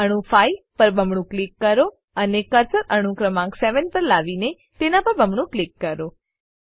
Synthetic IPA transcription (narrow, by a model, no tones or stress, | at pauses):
əɽ̃ũfajpəɾbəmɳ̃ũklikːəɾo | ənekəɾsəɾəɽ̃ũkɾəmãkseʋənpəɾlaʋine | t̪enapəɾbʱəmɳ̃ũklikːəɾo